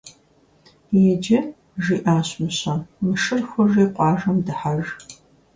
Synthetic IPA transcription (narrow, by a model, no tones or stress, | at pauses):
jɛd͡ʒɐ | ʒiːʔaːɕmɨɕɐmɨʂɨrxʷɔʒeːqʷɑːʒɐmdɨħaʒ